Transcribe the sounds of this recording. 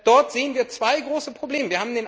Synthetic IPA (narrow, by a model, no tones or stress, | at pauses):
d̥ɔɐtz̥eːənviːɐt͡sv̥aɪɡʁoːsəpʁ̥obleːməviːɐhaːm̩deːn